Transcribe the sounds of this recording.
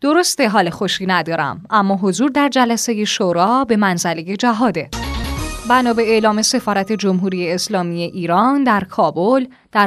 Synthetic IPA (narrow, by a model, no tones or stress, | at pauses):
d̪̥o̞ɾost̪e̞ɦɒːlexo̞ʃiːnæd̪ɒːɾæ̰mʔæmːɒːɦo̞zuːɾd̪æɾd͡ʒælæse̞je̞ʃoɾɒːbe̞mænzæle̞je̞d͡ʒæɦɒːd̪e̞ | bænɒːbe̞elɒːme̞se̞fɒːɾæt̪ʰe̞d͡ʒomɦuːɾije̞ːslɒːmije̞ʔiːɾɒːnd̪æɾkʰɒːbol | d̪̥æɾ